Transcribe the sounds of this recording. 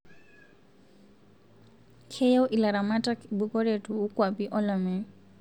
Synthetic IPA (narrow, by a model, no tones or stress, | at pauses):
kʰɛjawʔilaɾamatakbuɡɔɹɛtuukwabiʔɔlamɛ